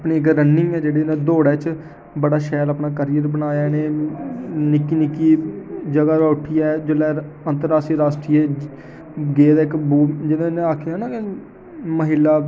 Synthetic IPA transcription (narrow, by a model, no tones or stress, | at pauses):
pɳeːɪkɾənːɪŋɡɛːd͡ʒeːɽeːnẽːd̪oːɽɛːt͡ʃ | bəɽaːʃɛːɾaːpnaːkəɾɪjəɾbənaːjaːneː | nɪkːiːnɪkːiːd͡ʒəɡaːɾaːʊʈʰːiːɛːd͡ʒoːlɛː | ənt̪əɾaːsʈiːɾaːsʈɾiːe | ɡeːd̪aːɪkbuːd͡ʒɪnãːnẽːaːkʰjãːnãːkɪ | məɦɪlːaː